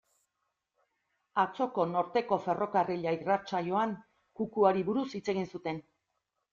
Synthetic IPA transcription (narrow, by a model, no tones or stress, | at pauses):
at͡so̞ko̞no̞ɾt̪e̞ko̞fe̞ro̞kariʎairat͡ʃajo̞aŋ | kukuaɾiβuɾusit͡se̞ɣ̞insut̪e̞n